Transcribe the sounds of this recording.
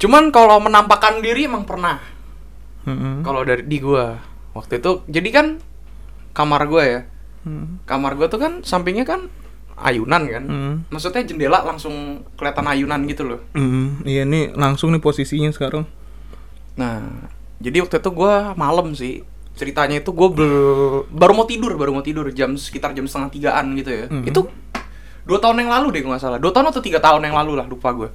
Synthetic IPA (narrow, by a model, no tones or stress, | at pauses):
t͡ʃumankalomənampakandiɾiemaŋpərnah | m̩m̩kalodaɾidiɡua | wak̚t̪uit̪ud͡ʒadikan | kamarɡuaja | kamarɡuat̪ukansampɪŋɲakan | a̰junankan̩maksut̪̚ɲad͡ʒəndelaʔlaŋsʊŋ | kəliat̪anajunanɡit̪ulʊhm̩ʔijanilaŋsʊŋnɪposisiɲasə̥kaɾaŋ | nah | d͡ʒadiwak̚t̪uit̪uɡuamaləmsɪh | t͡ʃəɾit̪aɲait̪uɡuabəbaɾumot̪idʊrbaɾumot̪idʊrd͡ʒamsə̥kit̪ard͡ʒamsət̪əŋaht̪iɡaʔanɡit̪ujaiu | duat̪aɦʊnjaŋlaludɪɡuŋasalahduat̪aɦʊnakt̪ut̪iɡat̪aɦʊnjaŋlalulahlupaɡua